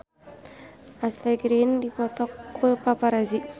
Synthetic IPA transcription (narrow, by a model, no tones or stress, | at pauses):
aslaɡɾindipɔt̪ɔkːupapaɾazi